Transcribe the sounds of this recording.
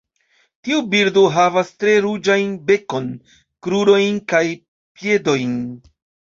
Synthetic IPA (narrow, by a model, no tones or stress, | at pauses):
tiubiɾdo̞ɦavastɾe̞ɾud͡ʒajnbe̞ko̞n | kɾuɾo̞jnkaj | pje̞do̞jn